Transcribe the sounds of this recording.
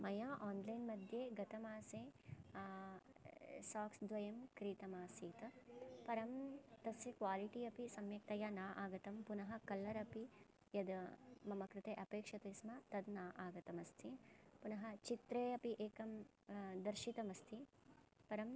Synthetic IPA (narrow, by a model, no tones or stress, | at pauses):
mɐjaːʔaːnlɐjnmɐd̪ʱjeːɡɐt̪ɐmaːseː | saːksd̪ʋɐjɐmkɾiːt̪ɐmaːsiːt̪ɐpɐɾɐmt̪ɐsɐkʋaːliʈiɐpisɐmjɐk̚t̪ɐjanaːʔaːɡɐt̪ɐmpunɐɦɐ̆kɐlːɐɾɐpi | jɐd̪mɐmɐkɾɪt̪eːʔɐpeːkʂɐt̪ɐsmɐt̪ɐd̪naːʔaːɡɐt̪ɐmɐst̪ʰipunɐɦɐt͡ʃit̪ɾeːɐpiʔeːkɐm | d̪ɐɾʃit̪ɐmɐst̪ʰipɐɾɐm